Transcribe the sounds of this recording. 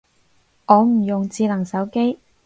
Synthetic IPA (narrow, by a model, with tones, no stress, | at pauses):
ʔɔː˨˧m̩˨˩jʊ˨ŋt͡siː˧lɐ˨˩ŋsɐ˨˥wke˥j